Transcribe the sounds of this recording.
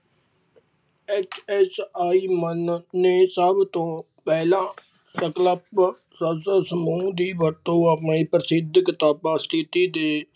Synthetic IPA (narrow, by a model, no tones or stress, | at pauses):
eːt͡ʃʰɛːsaːiːmənːeːsəbt̪õː | pɛːlãː | səkləp | səsəsəmũːd̪iːʋəɾt̪õːəpɳiːpɾəsɪd̪ʱkɪt̪aːpãːst̪ʰɪt̪iːd̪eː